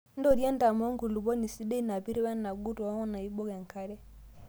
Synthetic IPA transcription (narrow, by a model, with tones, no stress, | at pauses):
n˦dɔ˦˨ɾjɛ˦nda˨mɔ˦ŋɡu˨lu˨bɔ˦ni˨si˦de˦na˨pi˦ɾe˦wɛ˦na˨ɡu˦tɔ˨a˦ŋɔ˦na˨i˦bɔ˦ɣɛ˨ŋ˨ka˦ɾɛ˦